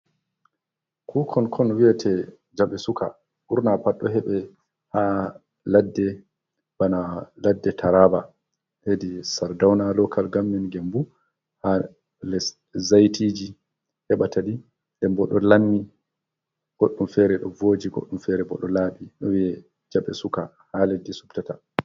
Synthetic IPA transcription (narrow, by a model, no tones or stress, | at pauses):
kʰuːkʰɔnkʰɔnwiɛtʰɛ | d͡ʒaɓɛsukʰa̰ | ʔuɾnapaɗːɔɦɛɓɛ | ha | ladːɛ | b̥analadːɛtʰaɾaba | hedisaɾdawnalɔkalɡamːinɡɛmbu | ha | lɛs | zajtʰiːd͡ʒi | hɛɓatadi | ndɛmbɔɗɔlanːi | ɡ̥oɗːumfɛɾɛɗɔvod͡ʒiɡo̰ɗːumfɛɾɛbɔ̰ɗɔlaːɓiɗɔwiɛ | d͡ʒaɓɛsuka | haledːisu̥ptata